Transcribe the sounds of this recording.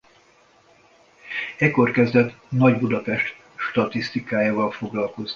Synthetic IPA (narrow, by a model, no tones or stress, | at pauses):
ɛko̞rkɛzd̪ɛt̪ | nɒɟbud̪ɒpɛʃt̪ | ʃt̪ɒt̪ist̪ikaːjaːvɒlfo̞ɡlɒlko̞zni